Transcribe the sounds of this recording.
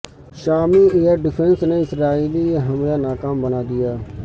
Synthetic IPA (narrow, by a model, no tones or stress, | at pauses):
ʃaːmiːeːəɾɖɪpʰə̃nsneːɪsɾaːiːliːɦəmjaːnaːkaːmbənaːd̪ɪjaː